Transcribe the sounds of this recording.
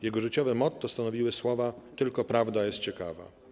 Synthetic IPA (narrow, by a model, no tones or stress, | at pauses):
jɛɡɔʐɘt͡ɕɔvɛmɔt̪ːɔst̪anɔvʲiwɘswɔvat̪ɘlkɔpɾavd̪ajɛst̪̚t͡ɕɛkava̰